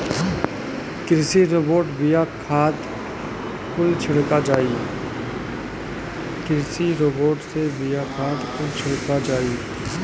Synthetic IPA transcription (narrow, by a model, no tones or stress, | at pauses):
kɪɾsiɾoːboːʈbɪjakʰaːt̪ | kʊlt͡ʃʰɪɽkad͡ʒaːi | kɪɾsiɾoːboːʈsebɪjakʰaːt̪kʊlt͡ʃʰɪɽkad͡ʒaːiː